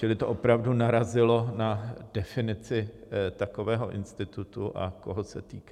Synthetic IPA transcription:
t͡ʃɪlɪt̪oʔo̞pɾavdunaɾazɪlo̞nadɛfɪnɪt͡sɪt̪ako̞vɛːɦo̞ʔɪ̰nst̪ɪt̪ut̪uʔa̰koɦosɛt̪iːka

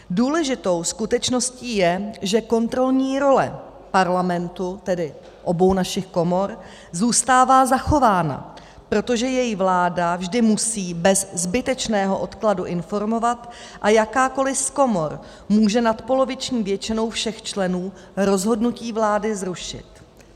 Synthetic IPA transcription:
duːlɛʒɪt̪o̞wskut̪ɛt͡ʃno̞sciːjɛʒɛko̞nt̪ɾo̞lɲiːɾo̞lɛ̰ | paɾlamɛnt̪ut̪ɛdɪ | ʔo̞bo̞wnaʃɪxko̞mo̞ɾ | zuːst̪aːvaːzaxo̞vaːna̰ | pɾo̞t̪o̞ʒɛjɛjivlaːdavʒdɪmusiːbɛzzbɪt̪ɛt͡ʃnɛːɦo̞ʔo̞t̪kladuʔɪnfo̞ɾmo̞vat̪ | ʔajakaːko̞lɪfko̞mo̞ɾ | muːʒɛnat̪po̞lo̞vɪt͡ʃɲiːvjɛt͡ʃɪno̞wfʃɛxt͡ʃlɛnuː | ɾo̞zɦo̞dnuciːvlaːdɪzɾuʃɪ̰t̪

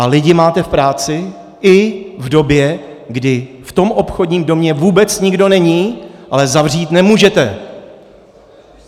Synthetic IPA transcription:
ʔalɪɟɪmaːt̪ɛfpɾaːt͡sɪ | ʔɪvdo̞bjɛ | ɡdɪft̪o̞mʔo̞pxo̞dɲiːmdo̞mɲɛvuːbɛt͡sɲɪɡdo̞nɛɲiːʔalɛzavriːt̪nɛmuːʒɛt̪ɛ

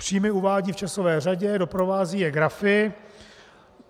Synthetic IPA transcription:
pr̝̥iːmɪuvaːɟiːft͡ʃasovɛːraɟɛdo̞pɾo̞vaːziːjɛɡɾafɪ

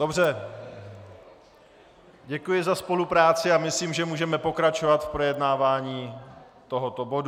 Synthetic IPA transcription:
dobrɛ | ɟɛkujɪzaspo̞lupɾaːt͡sɪamɪsliːmʒɛmuːʒɛmɛpo̞kɾat͡ʃo̞vat̪fpɾojɛdnaːvaːɲiː | t̪o̞ɦot̪o̞bo̞du

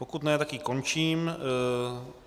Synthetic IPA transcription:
pokut̪nɛːt̪akikont͡ʃiːm

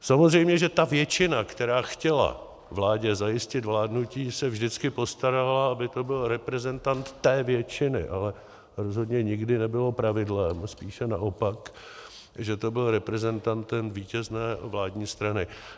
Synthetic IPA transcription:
samozrɛjmɲɛʒɛt̪avjɛt͡ʃɪnakt̪ɛɾaːxcɛla̰ | vlaːɟɛzajɪscɪt̪vlaːdnuciːsɛvʒdɪt͡skɪpo̞st̪aɾalaabɪt̪o̞bɪlɾɛpɾɛzɛnt̪ant̪ːɛːvjɛt͡ʃɪnɪ̰ʔalɛ | ɾo̞zɦo̞dɲɛɲɪɡdɪnɛbɪlo̞pɾavɪdlɛmspiːʃɛnaʔo̞pak | ʒɛt̪o̞bɪlɾɛpɾɛzɛnt̪ant̪ɛmviːcɛznɛːvlaːdɲiːst̪ɾanɪ

